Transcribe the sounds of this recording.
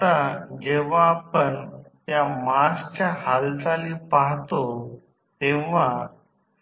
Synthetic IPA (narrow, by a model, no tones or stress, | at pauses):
t̪ad͡ʑeʋaːpəɳt̪jamast͡ɕjahalt͡s̪alipaɦt̪o | t̪ẽʋa